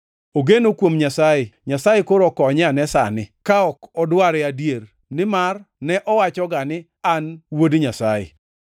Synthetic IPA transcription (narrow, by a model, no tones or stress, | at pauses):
oɡenokwomɲasajɪɲasajɪkoɾokɔɲɛanɛsa̰nɪkaɔkɔdwaɾɪadjer | nɪmarnɛʔɔwat͡ʃɔɡanɪ | anwodɲasajɪ̰